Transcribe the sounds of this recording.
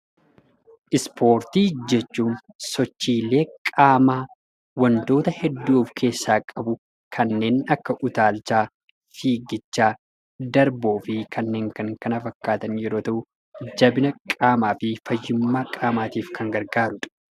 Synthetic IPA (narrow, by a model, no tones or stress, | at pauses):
ʔɪspʰo̞ːɾt̪iːd͡ʒɛt͡ʃːuːn | sɔt͡ʃːiːlːe̞ːkʼaːmaː | wɐnt̪o̞ːt̪ɐhɛd̪ːuːfkʰe̞ːsːaːkʼɐbʊ | kʰɐnːe̞ːnɐkːɐʔʊt̪aːlt͡ʃaː | fiːɡɪt͡ʃːaː | d̪ɐɾboːfɪkʰɐnːe̞ːŋkɐŋkɐnɐfɐkːaːt̪ɐnjɛɾo̞ːt̪ɐʔʊ | d͡ʒɐbɪnɐkʼaːmaːfɪfɐjːɪmːaːkʼaːmaːt̪iːfkʰɐŋɡɐɾɡaːɾʊᶑɐ̥